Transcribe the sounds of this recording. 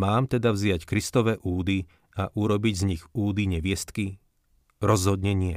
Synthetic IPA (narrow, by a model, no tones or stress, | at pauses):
maːmt̪ɛd̪avzɪackɾist̪ɔʋɛːʔuːd̪i | aʔuɾɔbiɟzɲiɣuːd̪iɲɛʋɪɛst̪ki | ɾɔzɦɔd̪ɲɛɲɪɛ